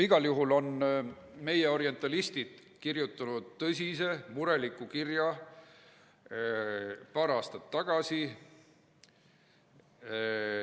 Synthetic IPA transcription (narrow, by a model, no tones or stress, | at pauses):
iɡ̥ɑljuɦulo̞n | me̞je̞o̞ɾient̪ːˑɑlist̪id̪̥ | kirjut̪ːˑɑnud̪̥̚t̪ɤsʲise̞muɾe̞likːˑukirjɑ | pɑːɾɑːst̪ɑt̪ːɑɡ̥ɑsi